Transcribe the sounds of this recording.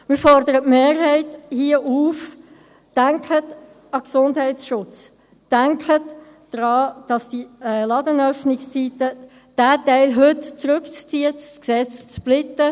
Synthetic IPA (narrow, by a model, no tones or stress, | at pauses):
mɪːɾfɔɾdəɾətmeːrɦɛɪthiəʔuːf | d̥æŋkʰət | ɑksʊndhɦɛɪsʃʊt͡s | d̥æŋkʰətː | ɾɑːd̥ɑsd̥iɛlɑdənœfnɪkst͡siːtə | d̥æːtæɪlɦøtt͡sɾɵkt͡st͡siːəsksɛt͡st͡splɪtə